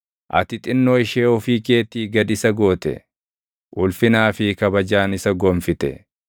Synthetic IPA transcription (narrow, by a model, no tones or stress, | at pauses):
ʔɐ̰t̪ɪt̪ʼɪnːoːɪʃeːɔfiːke̞ːt̪ːiːɡɐd̪ɪsɐɡo̞ːt̪ɛ̰ | ʔʊlfɪnaːfɪkɐbɐd͡ʒaːnɪsɐɡɔmfɪt̪ɛ̰